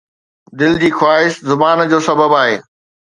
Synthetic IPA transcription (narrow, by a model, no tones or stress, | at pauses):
d̪ɪld͡ʑiːxwaːɦɪʃzʊbaːnd͡ʑoːsɐbəbaːɦḛː